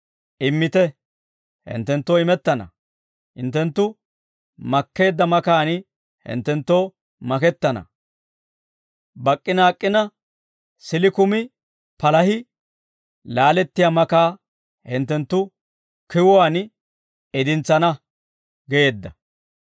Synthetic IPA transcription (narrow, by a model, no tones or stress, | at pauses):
ʔɪmːɪt̪ɛ | hɪ̰nt̪ːɛnt̪ːoːɪmɛt̪ːɐnɐ̰ | hɪnt̪ːɛnt̪ːʊ | mɐkːe̞ːd̪ːɐmɐkaːn | hɪ̰nt̪ːɛnt̪ːoː | mɐkɛt̪ːɐnɐ̰ | bɐkʼːɪnaːkʼːɪnɐ | sɪlɪkʊmɪ | pɐlɐhɪ | laːlɛt̪ːɪjamɐkaː | hɪnt̪ːɛnt̪ːʊ | kɪwɔaːn | ɛd̪ɪnt͡sːɐnɐ | ɡɛjeːd̪ːɐ